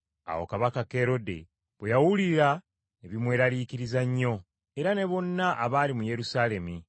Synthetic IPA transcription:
a̰wo̞̰kaβakake̞ːɾo̞dḛ | βwejawuliɾa | eβimwe̞ːɾaliːkiɾizaɲːo̞ | e̞ɾane̞βo̞nːaʔaβaːlimuje̞ɾusaːle̞mi

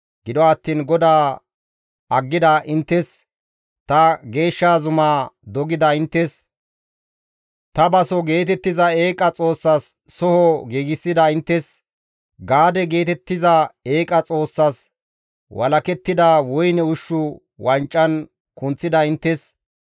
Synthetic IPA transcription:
ɡ̥ɪd̪ɔɐt̪ːiːnɡɔd̪aː | ɐɡːɪd̪ɐʔɪnt̪ːɛs | t̪ɐɡe̞ːʃːaːzʊmaːd̪ɔɡɪd̪ɐɪnt̪ːɛs | t̪ɐbɐsɔɡe̞ːt̪ɛt̪ːɪzɐe̞ːkʼɐt͡sʼo̞ːsːɐsː | ɔhɔɡiːɡɪsːɪd̪ɐɪnt̪ːɛs | ɡaːd̪ɛɡe̞ːt̪ɛt̪ːɪzɐe̞ːkʼɐt͡sʼo̞ːsːɐs | wʔɐ̰lɐkɛt̪ːɪd̪awɔjnɛʊʃːʊ | wɐnt͡ʃʼːɐn | kʊnt͡sːɪd̪ɐɪnt̪ːɛs

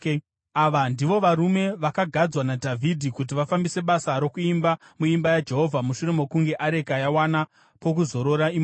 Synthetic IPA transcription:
aʋandiʋo̞ʋaɾume̞ʋakaɡʱad͡zwanadʱavʱidʱikut̬iʋafambise̞ɓasaɾo̞kuimba | muimbajad͡ʒe̞ɦo̞vʱamuʃure̞mo̞kuŋɡe̞ʔaɾe̞kajawana | po̞k̬uzo̞ɾo̞ɾaim

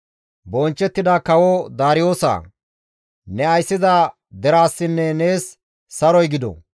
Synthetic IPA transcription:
bɔnt͡ʃːɛt̪ːɪd̪aːkɐwɔd̪aːɾɪjo̞ːsa̰ː | nɛɐjsːɪzaː | d̪ɛɾaːsːɪnːɛneːsː | ɐɾɔjɡɪd̪ɔ̰

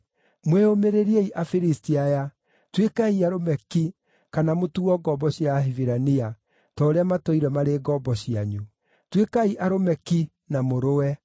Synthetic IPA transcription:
mweomeɾeɾieiʔafiɾistiaja | twekaiaɾomɛki | kanamotuɔɡɔbɔɕjaɦiviɾania | tɔːɾeamatɔiɾɛmaɾeːɡɔbɔɕiaɲu | twekaiʔaɾomɛki | namoɾoɛ

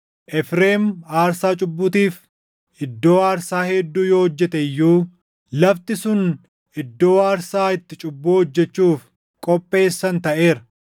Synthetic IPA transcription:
ʔɛfɾeːmaːɾsaːt͡ʃʼʊbːʊt̪iːf | ʔɪd̪ːo̞ːaːɾsaːhɛd̪ːuːjoːhɔd͡ʒːɛt̪ɛjːuː | lɐft̪ɪsʊn | ʔɪd̪ːo̞ːaːɾsaːɪt̪ːɪt͡ʃʼʊbːuːhɔd͡ʒːɛt͡ʃːuːf | kʼɔpʼːe̞ːsːɐnt̪ɐʔe̞ːɾɐ

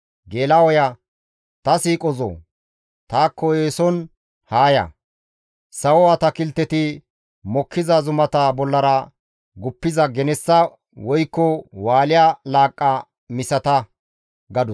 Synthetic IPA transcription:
ɡeːlawɔja | t̪ɐsiːkʼɔzo̰ː | t̪aːkːɔeːsɔn | haːjɐ̰ | sɐwɔwat̪ɐkɪlt̪ːɛt̪ɪ | mɔkʰːɪzɐzʊmɐt̪ɐbɔlːɐɾɐ | ɡʊpːɪzɐɡɛnɛsːɐ | wɔjkːɔwaːlɪjalaːkʼːɐ | mɪsɐt̪ɐ | ɡɐd̪ʊ

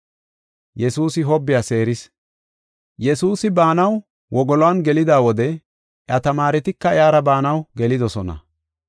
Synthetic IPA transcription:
jɛsuːsɪɦɔbːɪjase̞ːɾɪs | jɛsuːsɪbaːnɐw | wɔɡɔlwanɡɛlɪd̪aːwɔd̪ɛ | ʔɐt̪ɐmaːɾɛt̪ɪkːɐjaːɾɐbaːnɐwɡɛlɪd̪ɔsɔnɐ̰

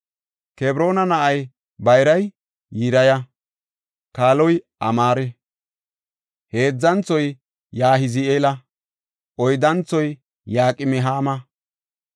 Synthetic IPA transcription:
kɛbɾo̞ːnɐnɐʔɐj | bɐjɾɐj | jiɾɐjɐ | kaːlɔj | ɐmaːɾɛ | he̞ːd͡zːɐnt͡sɔj | jaːɦɪzɪeːlɐ | ʔɔjd̪ɐnt͡sːɔj | jaːkʼɪmɪɦaːmɐ

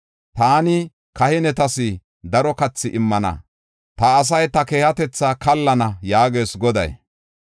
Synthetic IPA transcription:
t̪aːnɪ | kɐhɪnɛt̪ɐsɪ | d̪ɐɾɔkɐt͡sːɪʔɪmːɐnɐ̰ | t̪ɐːs̬ɐjt̪ɐkeːhɐt̪ɛt͡sːakɐlːɐnɐjaːɡeːsɡɔd̪ɐ̰j

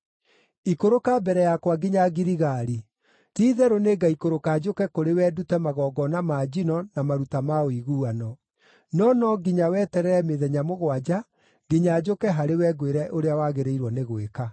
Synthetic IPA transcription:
ikoɾokabɛɾɛjakwaɡiɲaɡiɾiɣaɾi | tiːðɛɾoneɡaikoɾokaːd͡ʒokɛkoɾewɛdutɛmaɣɔːɡɔnamaːd͡ʑinɔnamaɾutamaoiɣuanɔ | nɔnɔɡiɲawɛːtɛɾɛɾɛmeðɛɲamoɣwad͡ʑa | ɡ̥iɲaːd͡ʒokɛɦaɾewɛɡweɾɛʔoɾeawaɣeɾeiɾwɔneɣweka

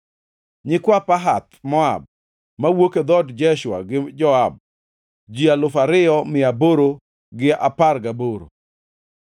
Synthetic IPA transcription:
ɲɪkwapaɦat̪mɔa̰b̚ | mawoked̪ɔdd͡ʒɛʃwa̰ɡɪd͡ʒɔab̚ | d͡ʒialʊfaɾɪɔmɪaboɾo | ɡɪaparɡaboɾo̰

